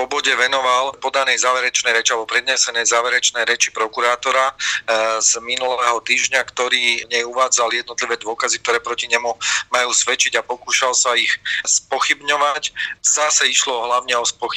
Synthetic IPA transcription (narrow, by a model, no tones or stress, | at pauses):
pɔbɔɟɛʋɛnɔʋalpɔd̪anɛjzaːʋɛɾɛt͡ʃnɛjɾɛt͡ʃialbɔpɾɛd̪ɲɛsɛnɛjzaːʋɛɾɛt͡ʃnɛjɾɛt͡ʃipɾɔkuɾaːt̪ɔɾa | z̥minulɛːɦɔt̪iːʒɲakt̪ɔɾiːɲɛjuʋaːd͡zaljɛd̪nɔt̪liʋɛːd̪ʊɔkazik̚t̪ɔɾɛːpɾɔciɲɛmumajuːsʋɛt͡ʃiɟapɔkuːʃalsaixspɔxibɲɔʋaczasɛiʃlɔɦlaʊɲɛɔspɔxi